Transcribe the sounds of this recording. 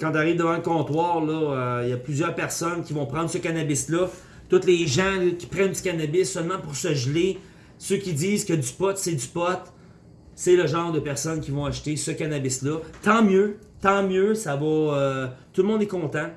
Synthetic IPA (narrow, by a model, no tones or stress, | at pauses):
kɑ̃t̪aʁiːvd̪əvɑ̃ləkɔ̃t̪wɑːʁlʌøjɐplyzjœːʁpɛʁsɔnkʲivɔ̃pʁɑ̃d̪ʁsəkanabɪslʌ | t̪ʊt̪leʒãkʲi̥pʁɛnd̪ykʲanabɪsːœlmɑ̃puʁsəʒle | søkʲid͡z̪iːzkəd̪ypɔt̪sɛd̪ypɔt̪ | seləʒɑ̃ːʁd̪əpɛʁsɔnkʲivɔ̃aʃt̪esəkanabɪslɔt̪ɑ̃mjø | t̪ɑ̃mjøsavɔøt̪ulmɔ̃d̪ɛkɔ̃t̪ã